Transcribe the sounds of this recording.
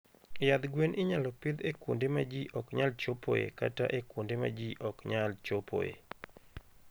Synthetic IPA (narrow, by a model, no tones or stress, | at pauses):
jad̪ɡwenʔɪɲalɔpɪd̪ekwondemad͡ʒiʔɔkɲalt͡ʃopo̰jḛka̰ta̰ʔekwondema̰d͡ʒiʔɔkɲalt͡ʃopʰo̰jḛ